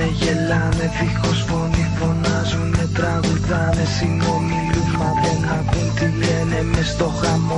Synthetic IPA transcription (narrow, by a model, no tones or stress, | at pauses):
eʝelɐmevixosfo̞nifo̞nɐzunmet̪ɾɐɣuðɐmesinonilumɐðenɐkunt̪ilenemest̪o̞xɐmo